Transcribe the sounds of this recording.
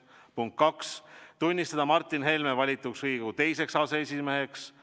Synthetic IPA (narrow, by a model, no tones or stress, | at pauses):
puŋk̪̚kːɑkst̪unʲːist̪ɑd̪ɑmɑrt̪ːˑinɦe̞lmevɑlʲit̪ːˑuksriːɡ̥ut̪e̞jse̞ksɑseesʲime̞ɦeks